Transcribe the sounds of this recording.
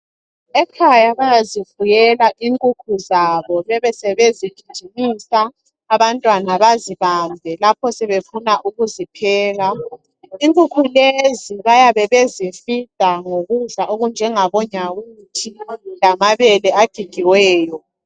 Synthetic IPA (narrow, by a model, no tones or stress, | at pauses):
ɛkʰajaβajazifujɛlaʔiŋkʼukʰuzaβɔβɛβɛsɛβeziɡ̥ʱi̥d͡ʒ̥ʱinisaː | βantʼwanaβaziβambʱɛlapʰɔsɛβefunaʔuɣuzipʰɛːɣa | iŋkʼukʰuleziβajaβɛβezifitʼaŋoɣuɮaʔoɣund͡ʒʱɛŋaβɔɲawutʰilamaβɛlɛaɡ̥ʱiɡ̥ʱiwɛːjɔ